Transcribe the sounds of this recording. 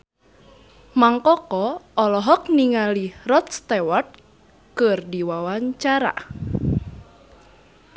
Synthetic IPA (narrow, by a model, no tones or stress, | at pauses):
maŋkɔkɔɔlɔɦɔk̚niŋalirɔt̪̚st̪ɛwart̪̚ | kərdiwawaɲt͡ʃaɾa̰